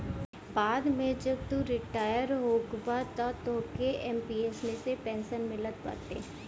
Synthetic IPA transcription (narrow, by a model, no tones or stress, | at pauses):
baːd̪mẽd͡ʒɐb̚t̪uɾɪʈaːjəɾɦoːɡbat̪at̪oːkeʔɛmpiɛːsmẽsepɛ̃ːnsənmɪlət̪̚pɐ̰ɾt̪ḛː